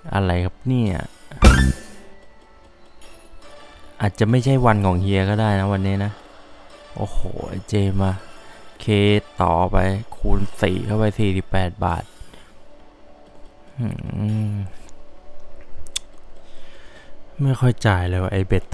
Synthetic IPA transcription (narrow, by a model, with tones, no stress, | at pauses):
ʔa̰˧ɾa˧jkʰa˦˥˩p̚niː˥˩a̰˨˩ | ʔaː˨˩t̪̚t͡ɕa˨˩ma˥˩jt͡ɕʰa˥˩jwa˧nkʰɔː˩˦ŋhʰi˧ɐkɔː˥˩daː˥˩jna˦˥wa˧nːiː˦˥na˦˥ | ʔo̰ː˨˩ho̰ː˨˩˦t͡ɕeː˧maː˧kʰeː˧˩t̪ɔː˨˩pa˧jkʰuː˧nsḭː˨˩kʰa˥˩wpa˧jsiː˨˩si˨˩pːɛː˨˩t̪̚ba̰ː˨˩t̪̚ | ma˥˩jxʰɔ˥˩jt͡ɕaː˨˩jlɤː˧waː˧˩ʔa˧jbe˨˩t̪̚